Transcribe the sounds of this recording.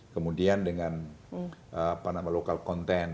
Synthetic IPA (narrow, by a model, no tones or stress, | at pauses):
kəmudiandəŋan | ʔəpanamalokalkɔnt̪ɛn